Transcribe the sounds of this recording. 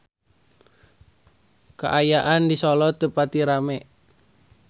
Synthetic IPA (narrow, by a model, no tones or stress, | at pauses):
ka̰ʔajaʔandisɔlɔt̪əpat̪iɾamɛ